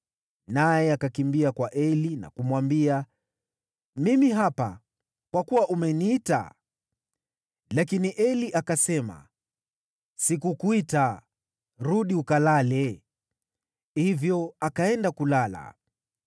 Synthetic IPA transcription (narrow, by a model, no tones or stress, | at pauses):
najɛakakimbiakwaʔɛlina̰kumwambia | mimiɦapa̰ | kwakuwaʔumɛniːta̰ | lakiniʔɛliʔakasɛma̰ | sikukuita | ɾuɗiukalalɛ | hivjɔakaɛndakulala̰